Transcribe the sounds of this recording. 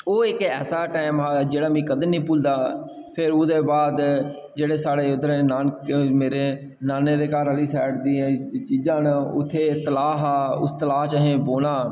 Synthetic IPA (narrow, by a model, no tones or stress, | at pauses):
oːɪkɛ̰ːsaːʈaːɪmɦaːd͡ʒeːɽaːmĩːkəd̪nĩːpʊld̪aː | pʰɪɾʊd̪eːbaːd̪ | d͡ʒeːɽeːsaːɽeːʊd̪ɾeːnaːnmeːɾeː | naːneːd̪eːkaːɾɦəliːsɛːʈd̪iːt͡ʃiːd͡ʒãːnʊ̰t̪ʰːeːt̪əlaːɦaːʊ̰st̪əlaːɦt͡ʃəɦẽːboːnaː